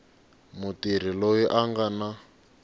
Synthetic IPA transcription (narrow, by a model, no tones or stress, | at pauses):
mutir̤ilojiʔaŋɡana